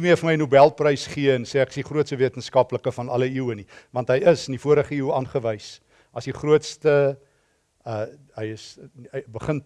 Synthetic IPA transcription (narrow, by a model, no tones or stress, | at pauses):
miəfəməjnubælˠprəjsχiənsɛːæksiχruətstəviətənskɐpləkəfɐnɐləiwənivɐntɦəjəsənifuəɾəχəiwɑːnχəvəjs | ʔɐsdiχruətstə | ə | ɦəjəsbəχən